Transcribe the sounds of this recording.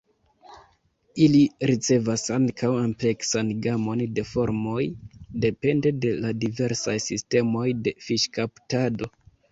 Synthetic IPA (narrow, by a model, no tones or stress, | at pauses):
iliɾit͡se̞vasaŋkʰawample̞ksanɡamo̞nde̞fo̞ɾmo̞jde̞pe̞nde̞de̞ladive̞ɾsajsiste̞mo̞jde̞fiʃkaptado̞